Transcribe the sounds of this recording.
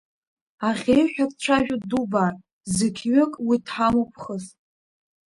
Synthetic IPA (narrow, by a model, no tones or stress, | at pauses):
aχʲejħʷᶣakʼt͡ɕʷʰaʒᶣʊduba | zekʲʰɥakʼwitʰħamopʰχəs